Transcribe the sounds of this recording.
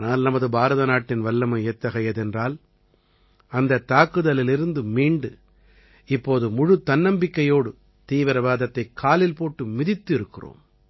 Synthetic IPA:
naːlnɐmɐðɯbaːɾɐðɐnaːʈːɪnʋɐlːɐmɐɛt̪ːɐɣɐjɐðɛndraːl | ɐnd̪ɐt̪ːaːkɯðɐlɪlɪɾɯnd̪ɯmiːɳɖɯ | ɪpːoːðɯmʊɻɯt̪ːɐnːɐmbɪkːɐjoːɽɯ | t̪iːʋɪɾɐʋaːðɐt̪ːɐɪkʰːaːlɪlpoːʈːɯmɪðɪt̪ːɪɾɯkːɪro̰ːm

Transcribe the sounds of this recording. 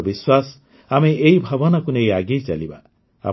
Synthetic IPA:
biswas | ameʔejbʱɔbɔnɔkunejaɡejt͡ʃa̰liba̰ | a̰

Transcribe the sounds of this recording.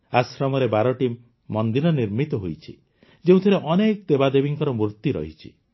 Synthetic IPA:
asɾɔmɔɾebaɾɔʈimː | ɔnd̪iɾɔniɾmit̪ɔɦojt͡ʃʰḭ | d͡ʒeũt̪ʰiɾeʔɔnekɔt̪ebad̪ebiŋkɔɾɔmuɾt̪iɾɔ̰ɦit͡ʃʰḭ

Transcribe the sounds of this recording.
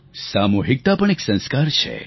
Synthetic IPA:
samuɦik̚t̪apəɳ̃eksə̃nskaɾt͡ʃʰḛ

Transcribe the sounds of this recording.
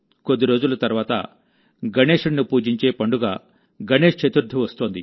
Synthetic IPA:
ko̞d̪ːiɾo̞ːd͡ʒulɐt̪ɐɾʋaːt̪ɐ̰ | ɡɐneːʂɐɳːupuːd͡ʒiɲt͡ʃe̞ːpɐɳɖuɡaː | ɡɐne̞ːʂt͡ʃɐt̪uɾd̪ʱːiʋɐst̪oːnd̪ḭ

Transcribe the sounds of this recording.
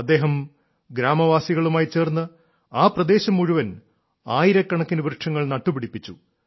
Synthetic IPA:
ɐd̪ːe̞ːɦɐm | ɡɾaːmɐʋaːsiɣɐɭumaːjit͡ɕe̞ːrnːɨ | aːprɐd̪e̞ːɕɐmːuɻuʋɐn | aːjiɾɐkːɐɳɐkːinɨʋrɨʈʂʰɐŋːɐɭnɐʈːupiɽipːit͡ɕːu

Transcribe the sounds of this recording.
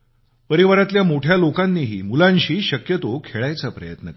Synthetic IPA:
pəɾiʋaɾat̪ljamoʈʰjalokanːiːɦḭːmulãnɕiːɕəkjət̪okʰeɭajt͡sapɾəjət̪nək

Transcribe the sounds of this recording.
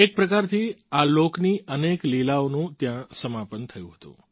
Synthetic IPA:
ek̚pɾəkaɾt̪ʰialokniəneklilaonũt̪jãsəmapənt̪ʰəjũɦət̪ṵ̃

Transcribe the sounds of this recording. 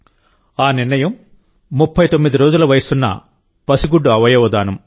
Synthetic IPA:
aːniɾnɐjɐmː | upʰːɐjt̪o̞mːid̪iɾoːd͡ʒulɐʋɐjɐsunːɐ̰ | pɐsiɡuɖːuɐʋɐjɐʋɐd̪aːnɐm

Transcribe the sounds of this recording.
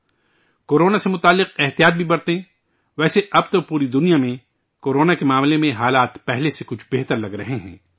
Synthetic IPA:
koːɾoːnasemʊt̪aːlːɪqɛɦt̪ijaːt̪̚bʱibɐɾt̪eɛ̃ | ʋɛːseɐbt̪opuːɾid̪ʊnijamẽ | koːɾoːnakemaːmlemẽɦaːlaːt̪pɛɦlesekʊt͡ʃʰbeɦt̪əɾlɐɡɾɐɦeɦɛ̰̃ː

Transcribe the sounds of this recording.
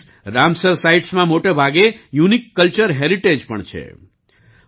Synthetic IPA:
ɾamsəɾsaiʈsmãmoʈebʱaɡejunikːəlt͡ʃəɾɦeɾiʈed͡ʒpəɳt͡ʃʰḛ

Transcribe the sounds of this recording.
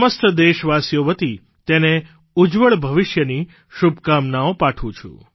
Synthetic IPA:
məst̪d̪eʃʋasjoʋət̪i | t̪ene | ud͡ʒʋəɭbʱəʋɪʃjəni | ʃubkamnaopaʈʰũt͡ʃʰṵ̃

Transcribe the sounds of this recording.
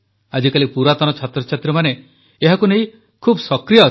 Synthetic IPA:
ad͡ʒikalipuɾat̪ɔnɔt͡ʃʰat̪ɾɔt͡ʃʰat̪ɾɔmane | eɦakunej̃ | kʰubɔsɔkɾijɔ

